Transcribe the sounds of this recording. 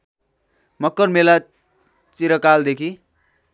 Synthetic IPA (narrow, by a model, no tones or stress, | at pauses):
mʌkːʌrmela | t͡siɾʌkald̪ekʰi